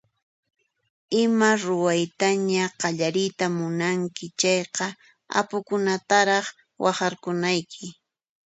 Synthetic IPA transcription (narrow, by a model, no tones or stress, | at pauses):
ɪmaɾʊwajt̪aɲaqɑʎaɾɪjt̪amʊnaŋkɪt͡ʃɑjqɑ | a̰pʊkʊnat̪aɾɑχ | wɑχɑɾkʊnajkʰɪ